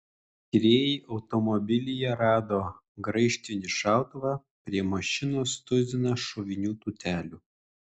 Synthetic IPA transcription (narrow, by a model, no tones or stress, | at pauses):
kʲɪɾʲeːjɛɪʔɒʊt̪ɔmɔbʲɪlʲɪjɛɾɑːd̪oː | ɡɾɐɪʃʲt̪ʲɪnʲɪʃɑˑʊt̪ʊʋɑ | pʲɾʲiɛmɐʃʲɪnoːst̪ʊzʲɪnɐʃɔʋʲɪnʲuːt̪uːt̪ʲæːlʲuː